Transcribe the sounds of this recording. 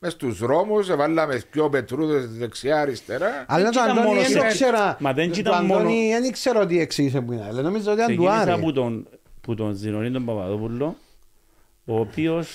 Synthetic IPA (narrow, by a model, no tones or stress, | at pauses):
mest̪uzɾomusevalːɐmeskopet̪ɾuðesðeksiaɾist̪eɾaalːɐt̪oanomonkseɾamɐðent͡ʃit̪and̪onnienikseɾoot̪̬ieksiis̬epuinɐlːenomizaot̪iɐd̪uaɾɐput̪onput̪onzinonit̪ombɐpa̰ðopulːo | oːpios